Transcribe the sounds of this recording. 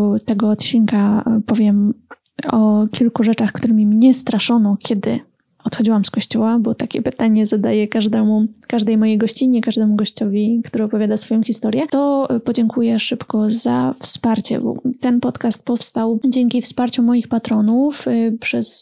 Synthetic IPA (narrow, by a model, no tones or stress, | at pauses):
t̪ɛɡɔːt̪t͡ɕiŋkapɔvʲjɛm | ɔkʲilkuʐɛt͡ʂaxkt̪uɾɛmʲimɲɛst̪ɾaʂɔnɔkʲɛd̪ɘ̰ | ɔt̪xɔd͡ʑiwamskɔɕt͡ɕɔwabɔt̪akʲɛpɘt̪aɲɛzad̪ajɛkaʐd̪ɛmukaʐd̪ɛjmɔjejɡɔɕt͡ɕiɲɛkaʐd̪ɛmuɡɔɕt͡ɕɔvʲikt̪uɾɘɔpɔvʲjad̪asfɔjɔ̃w̃xʲist̪ɔɾʲjɛt̪ɔpɔd͡ʑɛŋkujɛʂɘpkɔzafspaɾt͡ɕɛ̰bɔ̰t̪ɛnpɔt̪kast̪̚pɔfst̪awd͡ʑɛŋkʲifspaɾt͡ɕɔmɔjixpat̪ɾɔnufpʂɛs